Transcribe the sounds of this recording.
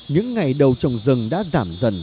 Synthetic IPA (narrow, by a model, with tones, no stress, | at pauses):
ɲɨ̰˧˥ŋːa˨˩jɗə˨˩wt͡ɕɔ˨˧˩wŋ͡mzɨ˨˩ŋɗa̰ː˧˥zaː˧˩mzə˨˩n